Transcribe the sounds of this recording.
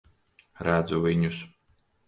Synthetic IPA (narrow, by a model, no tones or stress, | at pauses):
ɾad̪zuviɲʲus